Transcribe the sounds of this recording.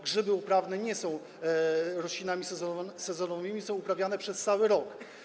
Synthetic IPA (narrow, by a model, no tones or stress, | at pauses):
ɡʐɘbɘupɾavnɛɲɛsɔ̃w̃ | ɾɔɕlʲinamʲisɛzɔsɛzɔnɔvɘmʲisɔ̃w̃upɾavʲjanɛpʂɛst̪sawɘɾɔk